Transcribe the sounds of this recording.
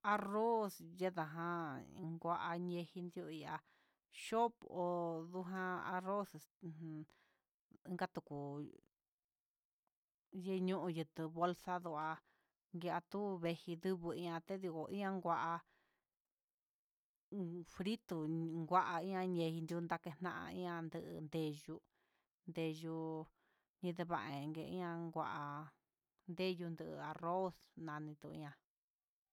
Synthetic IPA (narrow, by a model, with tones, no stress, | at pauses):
a˧ro˦sje˦ða˨˧ɦã˧ŋɡʷa˧ʔa˧ɲẽ˧hi˧nd̪u˧i˧a˧ | ʃo˦po˧ðu˧ɦã˦a̰˧ro˦s | ĩ˦ŋɡa˦t̪u˧ku˨ | je˦˧ɲũ˦ʔũ˧jɨ˧t̪ɨ˧βo˧lsa˦ðu˧a˧ | ŋɡe˧a˧t̪u˦βe˧hi˧ðɨ˦βɨ˧ĩ˧ã˧t̪e˦ði˧ko˨ʔĩ˦ã˦ŋɡʷa˧ʔa˧ | fɾi˦t̪u˧ŋɡʷa˧ʔa˧ĩ˦ɲã˧ɲẽ˧hi˧nd̪jnd̪a˧ke˧nã̰˦ʔã̰˧ḭ̃˦ã˧nd̪ɨ˧ʔɨ̰˧nd̪e˧ʒu˧ | nd̪e˧ʒu˧ | ɲĩ˧ðe˧βa˧˨ʔẽ˨˧ŋɡe˧ḭ̃˦ã˧ŋɡʷa˧ʔa˧ | nd̪e˦ju˧nd̪ɨ˧ʔa˨˧ro˦snã˧nĩ˧t̪u˧˨ḭ̃˧ɲã˧